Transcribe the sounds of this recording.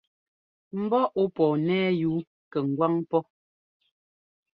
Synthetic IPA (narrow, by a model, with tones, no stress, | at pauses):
m̩˦bɔ˦ʔo˦pɔː˨nɛː˦juː˨˦ | kɛ˨ŋ̩˨ɡwa˦ŋpɔ˦